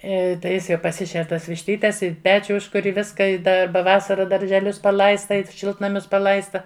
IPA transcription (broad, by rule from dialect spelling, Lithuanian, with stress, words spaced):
ɪ tɐɪ ˈjɪs jɛʊ pɐˈsʲɪʃʲɛr ˈtuɔs ʋʲɪʃʲˈtʲiːtʲɛs ɪ ˈpʲæːt͡ʃʲʊ ˈʊʃkʊrʲ ɪ ˈʋʲɪskɐ ɪ ˈdɐ ˈbɐ ˈʋɑːsɐrɐ dɐrʲʒʲɛˈlʲʊs pɐˈlˠɐɪstɐ ɪ ˈʃʲɪlˠtnɐmʲʊs pɐˈlˠɐɪstɐ